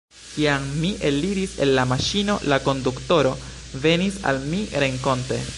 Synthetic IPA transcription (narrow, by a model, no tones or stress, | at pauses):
kiaŋmiʔe̞lːiɾise̞̰lːamaʃino̞lako̞ndukto̞ɾo̞ | ve̞nisa̰lmiɾe̞ŋko̞nte̞̰